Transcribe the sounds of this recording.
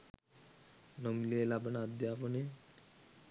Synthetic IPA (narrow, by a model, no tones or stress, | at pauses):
nɔmlielabənad̪japone